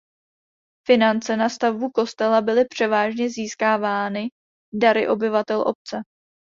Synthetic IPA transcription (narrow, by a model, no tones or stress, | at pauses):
fɪnant͡sɛnast̪avbuko̞st̪ɛlabɪlɪpr̝̥ɛvaːʒɲɛziːskaːvaːnɪ | daɾɪ̰ʔo̞bɪvat̪ɛlʔo̞̰p̚t͡sɛ